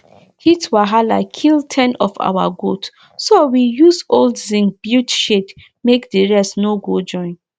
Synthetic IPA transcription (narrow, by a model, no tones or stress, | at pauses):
hitwaɦalakʰiltʰɛ̃nɔfa̰wa̰ɡot | sowijuzoldzĩŋb̥jutʃet | mekdiɹɛstnoɡod͡ʒɔ̃ɪ̃n